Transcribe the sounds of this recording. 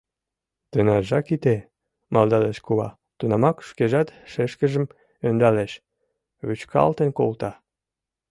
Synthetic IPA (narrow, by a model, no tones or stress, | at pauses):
t̪ənɑʒɑkit̪e | mɑld̪ɑleʃkuβɑ̰ | t̪unɑmɑkʃkeʒɑt̪ʃeʃkə̆ʒə̆m | ønd̪ɑleʃ | βyt͡ɕkʰɑ̰lt̪ənko̰lt̪ɑ